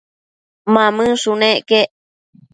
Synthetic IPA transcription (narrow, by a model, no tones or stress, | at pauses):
mãmɨ̃sunẽʔkeʔ